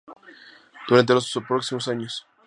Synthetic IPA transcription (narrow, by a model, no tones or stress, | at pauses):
d̪̥uɾant̪elospɾoksimosaɲos